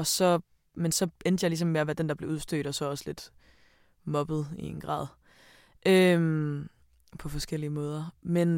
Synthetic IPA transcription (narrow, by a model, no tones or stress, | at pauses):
ɒ̽sɒ̽ | mensɒ̽end̥əjɑ̈ɪlisɒ̽mːe̝æʋæd̥end̥ɑ̈b̥le̝uðˠsd̥ø̰ːd̥ɒ̽sɒ̽ɒ̽sle̝d̥ | mɒ̽b̥ð̩ˠie̝nɡ̥ʁɑ̰̈ːð̰ˠ | ʔøm | pʰɒ̽fɒ̽sɡ̥el̰iəmɔ̽ːð̞ˠɐmen